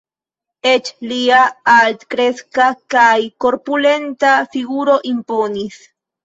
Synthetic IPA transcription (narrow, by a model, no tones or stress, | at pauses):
et͡ʃliaalt̪kɾe̞skakajko̞ɾpule̞nt̪afiɡuɾo̞ʔimpo̞nis